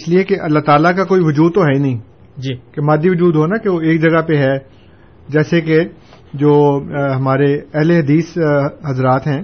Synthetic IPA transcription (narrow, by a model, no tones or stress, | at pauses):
ɪsliekeʔɐlːaɦt̪aːlakakoːiʋʊd͡ʒuːd̪̚t̪oɦɛinɐɦĩː | d͡ʒikemaːd̪ːiʋʊd͡ʒuːd̪ɦonakeʋoeːk̚d͡ʒɐɡapeɦɛ | d͡ʒɛːseke | d͡ʒoːɦɐmaːɾeɛɦleɦɐd̪iːsɦɐzɾaːt̪ɦɛ̃ː